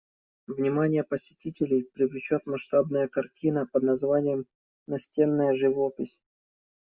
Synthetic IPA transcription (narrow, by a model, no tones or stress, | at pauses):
vnʲɪmanʲɪjəpəsʲɪ̥tʲitʲɪlʲɪjpɾʲɪvlʲɪt͡ɕot̪mɐʂt̪abnəjəkɐrtʲinəpəd̪nɐzvanʲɪjəm | nɐsʲtʲe̞nːəjəʐɨvopʲɪsʲ